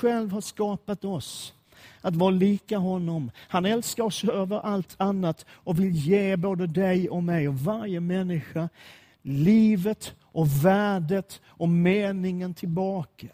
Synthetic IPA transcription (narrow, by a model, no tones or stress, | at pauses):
ɧɛlvhaʂkɑːpat̪ɔs | at̪vɑːɾaliːkaɦɔnːɔmhanɛlskaɾɔsøːvəɾʔalt̪ʰanːat̪ɔvɪljeːboːd̪əd̪ɛjɔmɛjɔvaɾjəmɛnːɪɧa | liːvət̪ | ʔɔvæːɖət̪ | ɔmeːnɪŋənt̪ʰɪlbɑːka